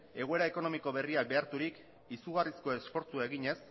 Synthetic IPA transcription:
e̞ɣue̞ɾae̞ko̞no̞miko̞βe̞riak̚be̞aɾt̪uɾik | isuɣarisko̞e̞sfo̞ɾt͡suae̞ɣiɲe̞s

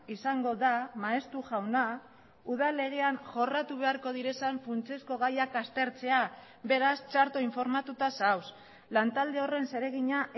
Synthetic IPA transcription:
isaŋɡo̞ðamaest̪uʝawna | uð̞ale̞ɣ̞e̞anʝo̞rat̪uβe̞aɾko̞ð̞iɾe̞saɱfunt͡sesko̞ɣ̞ajakast̪e̞ɾt͡se̞a | be̞ɾast͡ʃaɾt̪o̞iɱfo̞ɾmat̪ut̪asaws | lant̪ald̪e̞o̞re̞nse̞ɾe̞ɣ̞iɲaʔ

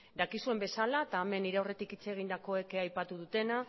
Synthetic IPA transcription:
d̪akisue̞mbe̞salaet̪aːme̞nːiɾeore̞t̪ikit͡seɣ̞ind̪ako̞e̞keajpat̪uðut̪e̞na

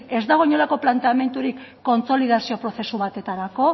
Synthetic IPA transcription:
e̞zd̪aɣ̞oɲo̞lako̞plant̪e̞ame̞nt̪uɾikːo̞nt͡so̞lið̞asio̞pɾo̞θe̞suβat̪e̞t̪aɾako̞

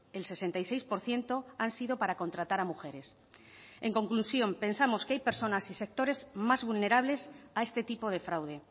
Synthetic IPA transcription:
e̞lse̞se̞nt̪ajsejspo̞ɾθje̞nt̪o̞ansiðo̞paɾako̞nt̪ɾat̪aɾamuxe̞ɾe̞s | e̞ŋko̞ŋklusjo̞mpe̞nsamo̞skeajpe̞ɾso̞nasise̞k̚t̪oɾe̞zmazβulne̞ɾaβ̞le̞sae̞st̪e̞t̪ipo̞ð̞e̞fɾawðe̞

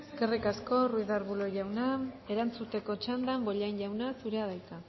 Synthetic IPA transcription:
eske̞rikasko̞ruiðaɾβulo̞ʝawnae̞ɾant͡sut̪e̞ko̞t͡ʃand̪ambo̞ʎaɲʝawnasuɾe̞aðajk̪a

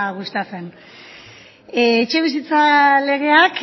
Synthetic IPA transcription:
ɣust̪ase̞n | t͡ʃe̞βisit͡sale̞ɣ̞e̞ak

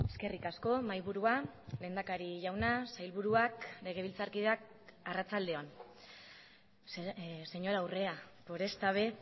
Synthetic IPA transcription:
e̞ske̞rikasko̞majβuɾuale̞nd̪akaɾiʝawnasajlβuɾuakle̞ɣ̞e̞βilt͡saɾkiðak | arat͡sald̪e̞on | se̞ɲo̞ɾawre̞apo̞ɾe̞st̪aβe̞

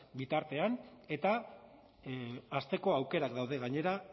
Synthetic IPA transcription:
bit̪aɾt̪e̞ane̞t̪a | st̪e̞ko̞awke̞ɾakd̪awð̞e̞ɣaɲe̞ɾa

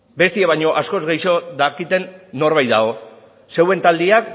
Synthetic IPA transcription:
be̞st̪ieβajɲo̞ʔasko̞zɣe̞jʃo̞ðakit̪e̞nːo̞ɾβ̞ajt̪a̰o̞ | se̞we̞nt̪ald̪iak

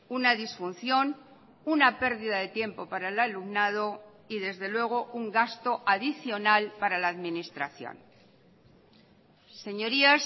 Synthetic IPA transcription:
unaðisfun̟θjo̞n | unape̞ɾðiðaðe̞t̪je̞mpo̞paɾaelalumnað̞o̞ | iðe̞zðe̞lwe̞ɣ̞o̞ʔuŋɡast̪o̞ʔaðiθjo̞nalpaɾalaːðminist̪ɾaθjo̰n | se̞ɲo̞ɾias

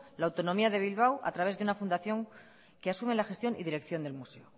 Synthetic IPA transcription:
laːwt̪o̞nõ̞miaðe̞β̞ilβ̞awʔa̰t̪ɾaβe̞zðeunafund̪aθjo̞ŋ | keasumelaxe̞st̪jo̞nḭðiɾe̞kθjo̞nd̪e̞lmuse̞o

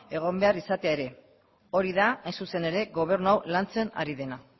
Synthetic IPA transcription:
e̞ɣ̞o̞mbe̞arisat̪eae̞ɾe̞ | o̞ɾiðaajnsuse̞ne̞ɾe̞ɣo̞β̞e̞ɾnuawlant͡se̞na̰ɾiðe̞na

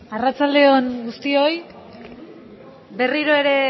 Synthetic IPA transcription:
arat͡sald̪e̞o̞nɡust̪io̞j | be̞riɾo̞e̞ɾe̞

